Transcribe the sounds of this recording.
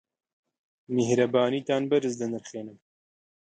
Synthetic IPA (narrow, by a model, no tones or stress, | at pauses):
mehɾɐbaːniːt̪aːnbɐɾɨzd̪ɨnɨɾχeːnɨm